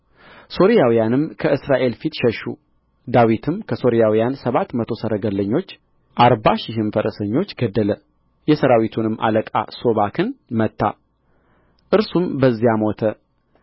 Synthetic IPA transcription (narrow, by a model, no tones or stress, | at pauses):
so̞ɾijawijanɨmkʰəʔɨsɾaʔe̞lfit̪ʃɛʃːu | d̪awit̪ʰɨmkʰəso̞ɾijawijansəβat̪mət̪ʰo̞səɾəɡəlːəɲːo̞t͡ʃː | ʔaɾbaʃɪɦɨmfəɾʔəsəɲːo̞t͡ʃːɡəd̪ːələ | jɛsəɾawit̪ʰunɨmːʔa̰ləkʼa̰so̞βakʰɨnmət̪ːa̰ | ʔɨɾsumbəzːijamo̞t̪ʰə